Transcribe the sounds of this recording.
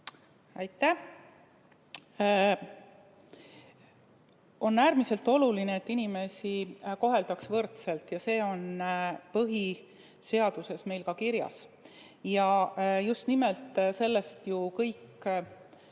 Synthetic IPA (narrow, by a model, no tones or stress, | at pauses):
ɑjt̪ːˑæh | o̞nːæːɾmise̞lt̪ːˑo̞lulineet̪ːinime̞siko̞ɦe̞ld̪̥ɑksvɤrt̪se̞lt̪jɑse̞ːo̞npɤɦi | se̞ɑd̪̥use̞sme̞jlkɑkiɾjɑ̰s | jɑjust̪nimelt̪ːˑse̞lːe̞st̪jukɤjkː